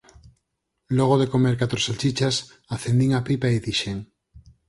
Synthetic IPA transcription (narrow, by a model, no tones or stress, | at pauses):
loɣ̞oðekomeɾkat̪ɾoselt͡ʃit͡ʃas | aθe̞nd̪iŋapipaiðiʃeŋ